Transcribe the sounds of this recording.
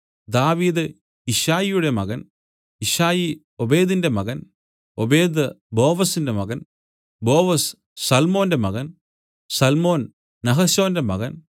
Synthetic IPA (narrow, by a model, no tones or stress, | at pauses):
d̪aːʋiːd̪ɨ | iʂaːjijuɽe̞mɐ̰ɣɐn | iʂaːji | o̞be̞ːd̪inde̞mɐɣɐn | obe̞ːd̪ɨ | bo̞ːʋɐsinde̞mɐɣɐn | bo̞ːʋɐs | sɐlmo̞ːnde̞mɐɣɐn | sɐlmo̞ːn | nɐɦɐso̞ːnde̞mɐ̰ɣɐn